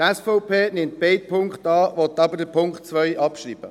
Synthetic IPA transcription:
tɛsfɔʊpʰeːnɪmt̚b̥eɪt̚pʰʊŋkχtɑːʋɔt̪ːɑbədəpʰʊŋktt͡sʋœjʔɑpʃriːb̥ə

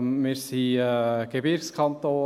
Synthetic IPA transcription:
mɪɾsiəɡ̥ebɪɾkskʰɑnt̪oː

